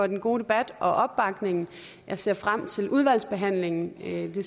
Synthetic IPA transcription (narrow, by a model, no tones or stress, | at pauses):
ɒ̽d̥enɡ̥o̝ːd̥e̝b̥æd̥ʔɒ̽ʔɒ̽b̥ːɑ̈ɡ̥ne̝ŋn̩ | jæse̝ɐfʁam̰t͡sʰe̝lʔuð̞ˠʋæl̰sb̥e̝ɦæn̰le̝ŋn̩d̥e̝